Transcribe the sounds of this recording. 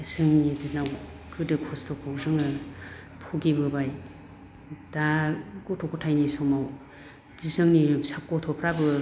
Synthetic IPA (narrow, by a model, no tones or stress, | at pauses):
esɯŋnizisnawkʰɯdɯkʰɔstʰɔkʰowzɯŋɯ | pʰoɡibɯbaj | daɡotʰɔkʰotʰajnisɔmaw | zisɯŋnisap̚kɔtʰɔpʰɾabɯ